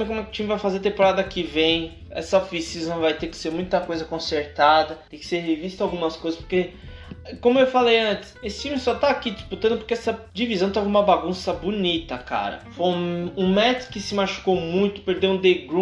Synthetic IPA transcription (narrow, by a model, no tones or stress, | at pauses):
mẽkõmɛkɪʊt͡ʃimɪvajfazeɾt̪̬ẽmpoɾad̪ɐkɪvẽj̃ | ɛ̰sɐfisizɐ̃vajt̪eɾkɪ̥seɾmũj̃t̪ɐkojzɐkõseɾt̪ad̪ɐt̪ẽj̃kɪ̥seɾɦevist̪ɐawɡũmɐskojzɐspo̥ɾke | kõmʊewfalejɐ̃nt̪ɪ̥sesɪ̥t͡ʃimɪsɔt̪aːkid͡ʒisput̪ɐ̃nd̪ʊpoɾkeɛsɐd͡ʒivizɐ̃w̃t̪avɐ̃ũmɐbaɡũsɐbunit̪ɐka̰ɾɐ̰fojũũmɛt̪kɪsɪmaʃu̥kowmũj̃t̪ʊ̥peɾd̪ewũd̪eɡɾũ